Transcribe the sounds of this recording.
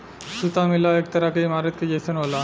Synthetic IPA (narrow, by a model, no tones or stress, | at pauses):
ʃut̪amilaek̚t̪aɾakejmaɾet̪̚ked͡ʑesʰenɦola